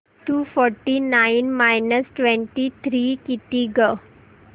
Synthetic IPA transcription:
ʈuːfɔɾʈinainmajnəsʈʋɛ̃ɳʈit̪ʰɾiːkit̪iɡə

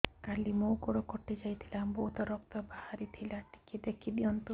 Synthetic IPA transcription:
kalimowkɔɽɔkɔʈid͡ʒajt̪ʰilambɔɦut̪ɔɾɔkt̪ɔbahaɾit̪ʰilaʈi̥kid̪ekʰid̪iɔnt̪u

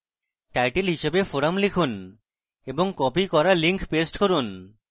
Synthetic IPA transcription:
ʈajʈelɦiʃebefoɾamlikʰun | eboŋkɔpikɔɾaliŋkʰpesʈkoɾun

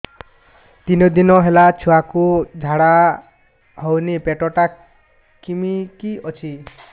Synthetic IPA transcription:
t̪inod̪inɔɦelat͡ʃʰuakud͡ʒʱaɽa | ɦɔwnipeʈɔʈa | kimikiɔt͡ʃʰi

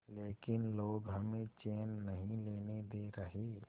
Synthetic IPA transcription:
leːkɪnloːɡɦəmẽt͡ʃeːnːəɦĩleːned̪eɾəɦe

